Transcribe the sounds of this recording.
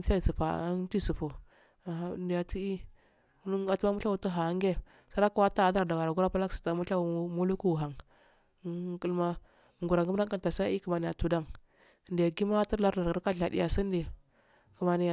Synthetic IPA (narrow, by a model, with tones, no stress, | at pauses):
ta˦˨si˨pa̰˨˦n˦ti˦su˨pu˨ | a˨a˦˨ndi˨ja˨ti˦i˦ | n˦a˨tu˦a˦mu˦a˦wu˨tu˦ɦa˨˦ŋɡe˦ | sa˦ɾa˦ku˦wa˦ta˦˨da˦ɾda˨wa˨ɾa˨ɡu˦ɾa˦pa˦la˦ksi̥˨ta˨mu˦ɬa˦wu˨˦mu˦lu˦ku˦˨ɦa˨ŋ˦ | ku˦lma˦˨ | ŋɡu˨ɾa˨ŋɡda˦ŋ˦ka˦ta˨sa˦i˦ku˨ma˨ni˨ja˨tu˨da˦ŋ˨ | nda˨ɡi˦ma˦ti˦ɾla˦ɾda˨ɾɡa˨ɾka˦ɬa˨dḭ˦ja˨si˦n˦di˨ | ku˨ma˨ni˨j